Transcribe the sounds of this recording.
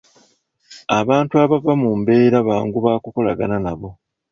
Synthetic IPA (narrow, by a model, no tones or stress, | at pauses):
aβaːntuaβavamumbe̞ːɾaβaːŋɡuβaːkuko̞laɡananaβo̞